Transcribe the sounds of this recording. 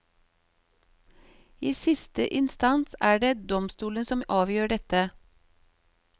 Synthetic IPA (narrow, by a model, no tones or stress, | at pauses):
iːsɪst̪əʔɪnst̪ɑnsæːɖeːd̪ɔmst̪uːlənsɔmʔɑːʋjøːɖɛt̪ə